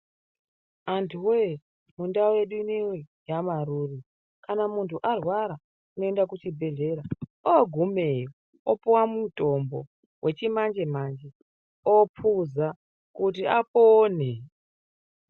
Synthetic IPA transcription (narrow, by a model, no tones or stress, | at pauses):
antʰuwe | mundaoje̞ɗiniwi | jamaɾuːri | kanamuntuʔarwaɾa | uno̞e̞ndakut͡ʃibʱe̞ɮe̞ɾaoɡʱumejo | opuwamuto̞mbo̰ | wʔet͡ʃimand͡ʒemand͡ʒe | opʰuza | kutiapoːne